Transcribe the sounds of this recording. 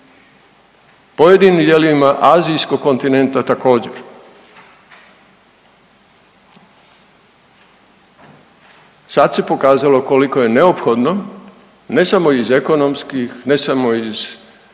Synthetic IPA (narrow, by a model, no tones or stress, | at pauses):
po̞jed̪inid̪jeliimaʔaːzijsko̞ɡkːo̞nt̪ine̞nt̪at̪ako̞ːd͡ʑe̞ɾ | sad̪se̞po̞kaːzalo̞ko̞liko̞je̞ne̞opxo̞d̪no̞ | ne̞samo̞izeko̞nomskixne̞samo̞iz